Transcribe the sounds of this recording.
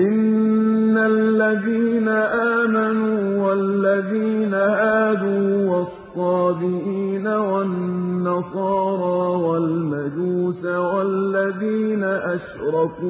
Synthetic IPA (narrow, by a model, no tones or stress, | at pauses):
ʔɪnː | allːaðiːnaʔaːmanuːwalːaðiːnahaːd̪uːwɑsˤːɑːbɪɾiːnawanːɑsˤɑːɾˤɑːwalmad͡ʒuːsawalːaðiːnaʔaʃɾˤɑkuː